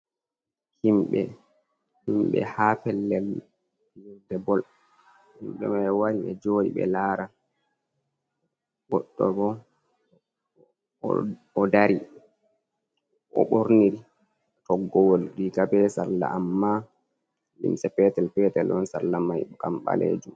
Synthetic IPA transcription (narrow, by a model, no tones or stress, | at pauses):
himɓɛ̰ | himɓɛ̰hapɛlːɛl | jɛdɛbɔl | himɓɛ̰mawaɾiɓɛ̰d͡ʒoːɗḭɓɛ̰laːɾa | ɡɔ̰ɗːɔɡɔ | ɔdaɾi | ʔɔ̰ɓoɾniɾi | tɔɡːɔwɔlɗikabɛsalːa̰ʔamːa | lḭmsɛpɛtɛlpɛtɛlʔɔnsa̰lːamajkamɓa̰lḛːd͡ʒum